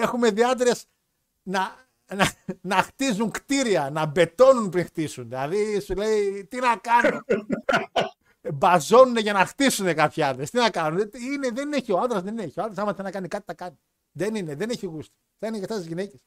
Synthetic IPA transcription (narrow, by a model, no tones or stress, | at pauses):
e̞xume̞ðiɐt̪ɾe̞s | nɐ | nɐnɐxt̪izuŋkt̪iɾiɐnɐbe̞t̪o̞nunpɾiŋxt̪isunðilɐðisule̞it̪inɐkɐnun | bɐzo̞nune̞ʝɐnɐxt̪isune̞kɐpçiɐnd̪ɾest̪inɐkɐnunet̪iineðeneçioɐnd̪ɾɐzðenneçioɐnd̪ɾɐs̬ɐmɐθɐnɐkɐnikɐt̪i̥t̪ɐkɐni | ðe̞nineðene̞çiɣust̪i̥ | θɐineceft̪ɐt̪izʝineces